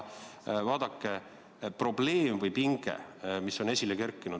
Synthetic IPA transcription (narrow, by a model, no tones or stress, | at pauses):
vɑːd̪̥ɑkːe | pro̞b̥le̞ːmvɤjpiŋɡ̥ḛmisːo̞ne̞sʲilekerkːˑinu̥